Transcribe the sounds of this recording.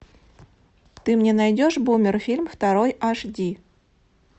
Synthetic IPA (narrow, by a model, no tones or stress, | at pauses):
t̪ɨmnʲenɑjdʲoʂbumʲɪrfʲilʲmft̪ɑɾojʔɑʂdʲi